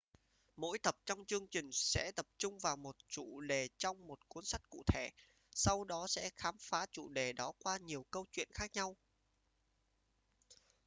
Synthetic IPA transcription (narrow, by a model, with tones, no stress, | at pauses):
mo̰˧˥jt̪ə˨˩p̚t͡ɕɔ˧wŋ͡mt͡ɕɨ˧əŋt͡ɕï˨˩ŋ̟sɛ̰˧˥t̪ə˨˩p̚t͡ɕʊ˧ŋ͡mvaː˨˩wmo˨˩t̚t͡ɕṵ˧˨ɗe˨˩t͡ɕɔ˧wŋ͡mmo˨˩t̚ku˨˦ənsa˦˥jk̟̚kṵ˧˨t̪ʰe˧˩ | sa˧wɗɔ˨˦sɛ̰˧˥xaː˨˦mfaː˨˦t͡ɕṵ˧˨ɗe˨˩ɗɔ˨˦kwaː˧ɲi˨˩əwkə˧wt͡ɕwḭ˧˨ənxaː˦˥k̚ɲa˧w